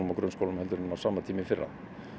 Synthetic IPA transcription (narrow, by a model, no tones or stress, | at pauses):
makɾœnskoːwlʏmɛlt̪ʏɾnʏnːasaːmat̪ʰiːmɪfɪrːa̰ð